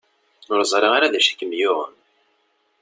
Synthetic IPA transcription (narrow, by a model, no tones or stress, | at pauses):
ʊɾzˤɾˤeʁaɾaðæʃæ̥kːəmjʊʁə̰m